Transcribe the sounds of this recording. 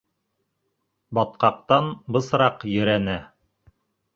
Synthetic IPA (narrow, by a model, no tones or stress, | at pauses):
bɑt̪̚qɑq̚t̪ɑnbɤ̆sɾɑqjɵ̆ɾænæ